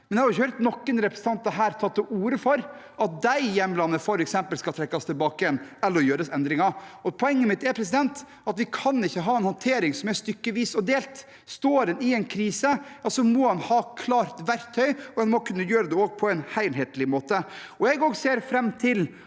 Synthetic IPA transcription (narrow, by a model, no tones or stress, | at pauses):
mɛnjɛhɑɾɪçəhœɾt̪nɔkːənɾɛpɾəsn̩ɑnt̪d̪æɦæːɾt̪ʰɑt̪ːɔʔuːɾəfɔɾ | ɑt̪̚d̪æɪjɛnblɑnːəfɔɾɛksɛmpəlskɑlt̪ʰɾɛkːɑst̪ʰɪlbɑːkəjɛnɛlːəɾɔjøːɾəsɛnd̪ɾɪŋɑɔpʰɔɛŋːəmɪt̪ːɛɾpʰɾɛs̬ɪd̪ɛnt̪ | ɑt̪ʋɪkʰɑnɪçːəɦɑːɛnhɔnt̪ʰeːɾɪŋsɔmɛɾst̪ʏkːəʋiːsɔd̪eːlt̪ | st̪oːɾɛnɪɛnkʰɾiːsəɑsɔmɔhɑnhɑːkʰlɑːɾt̪ʋæɾt̪ʰːœʏɔɛnmɔkʰʉnːəjøːɾəd̪ɛoːɡ̚pʰɔɛnhæɪlɦeːt̪lɪmoːt̪ə | ɔjɛɡoːɡseːɾfɾɛmːt̪ʰɪl